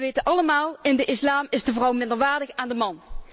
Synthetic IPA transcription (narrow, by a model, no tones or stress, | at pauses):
ʋejtəʔɑləmaːlˠɪndəʔɪslaːmɪzdəvrʌwmɪndəɹʋaːɹdəxaːndəmɑn